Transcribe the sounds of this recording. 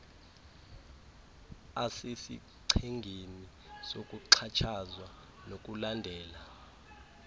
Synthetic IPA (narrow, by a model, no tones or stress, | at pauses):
asesḭ | ǀʰeŋɡʱeni | sokʼuǀʰat͡ʃʰazwa | nok̬ʼulandʱɛːla